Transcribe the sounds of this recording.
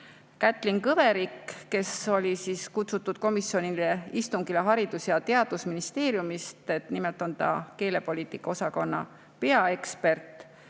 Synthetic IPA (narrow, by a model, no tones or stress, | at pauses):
kæt̪ːˑliŋkɤveɾikːe̞so̞lʲisiːskut̪sut̪ːˑud̪̥̚ko̞misio̞nileist̪uŋɡ̥ileɦɑɾid̪usjɑt̪e̞ɑd̪̥usminist̪e̞ːɾjumist̪e̞t̪nimelt̪ˑo̞nt̪ɑ̰ke̞ːle̞po̞lʲiːt̪ikːɑo̞sɑko̞nːɑ̰ | pe̞ɑe̞kspe̞rt̪ˑ